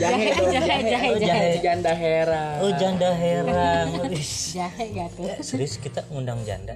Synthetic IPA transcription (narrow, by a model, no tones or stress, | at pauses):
d͡ʒaad͡ʒaɛd͡ʒaɦɛad͡ʒaɛd͡ʒandaɦeɾaɔhd͡ʒandaɦeɾaaŋisd͡ʒaɦɛɡat̪ɛasɾɪskit̪aŋundaŋd͡ʒa̰nda